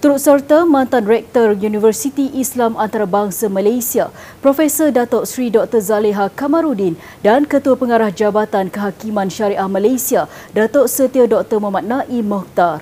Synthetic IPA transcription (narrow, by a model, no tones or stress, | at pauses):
t̪uɾut̪̚sərt̪amãnt̪anrɛk̚t̪ərjunivərsit̪iʔislamʔant̪aɾabaŋsamalajsia | pɾofesədat̪oʔsɾidɔk̚t̪ərzaleɦakamãɾudin | dankət̪uapəŋaɾahd͡ʒabat̪ankəɦakimãnʃaɾiʔahmalajsia | dat̪oʔsət̪iadɔk̚t̪əmə̃manaʔimɔk̚t̪ar